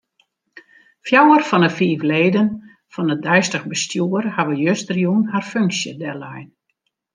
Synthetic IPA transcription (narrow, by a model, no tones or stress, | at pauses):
fjawərfɔnəfiːvleːdən | fɔnədɛjstəxbəstjuərhaʋəjøstərjunɦarføŋksjədɛlɛjn